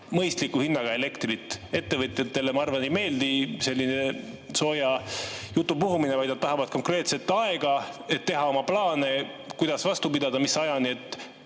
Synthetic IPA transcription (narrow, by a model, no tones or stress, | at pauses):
mɤjst̪likːˑuhinːɑɡ̥ɑe̞le̞kt̪rit̪ːˑe̞t̪ːevɤt̪jɑt̪ːe̞lemɑɑrvɑnejme̞ːld̪ise̞lʲːine̞ | so̞ːjɑjut̪ːˑupuɦuminevɑjd̪nɑt̪ːɑɦɑvɑd̪̥ko̞ŋkre̞ːt̪se̞t̪ːɑe̞ɡ̥ɑe̞t̪ːe̞ɦɑo̞mɑplɑːne̞ | kujd̪ɑsvɑst̪upid̪ɑd̪̥ɑmisɑjɑniet̪ːˑ